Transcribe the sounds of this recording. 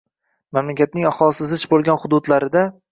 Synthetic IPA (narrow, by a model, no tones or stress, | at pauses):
mamlakʲat̪̚nɪŋɒχɒlˠsɪzɪt͡ʃbolˠɡʲanχʊd̪ʊd̪laɾɪd̪a